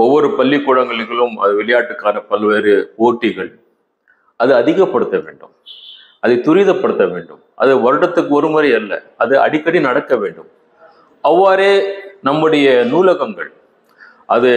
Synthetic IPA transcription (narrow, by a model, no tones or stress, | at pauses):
ɔʋːɔɾɯpɐlːɪkːʊːɻɐŋɡɐɭɣɐɭɯmɐ̰ðɯʋɪɭɐjaːʈːɯkːaːnɐpɐlʋeːɾɯoːʈːɪɣɐɭ | ʔɐðɯɐðɪɣɐpːɐɽɯt̪ːɐʋḛːɳɖɯ̰m | ɐðɐɪt̪ʊɾɪðɐpːɐɽɯt̪ːɐʋeːɳɖɯ̰mʔɐ̰ðɯʋɐɾɯɽɐt̪ːɯkːɯɔɾɯmɐɾiɐlːɐ̰ɐðɯɐ̰ɽɪkːɐɽinɐɽɐkːɐʋeːɳɖɯm | ɐʋːaːɾeːnɐmːɯɽɐjɐnuːlɐɣɐŋɡɐ̰ɭ | ʔɐðɯ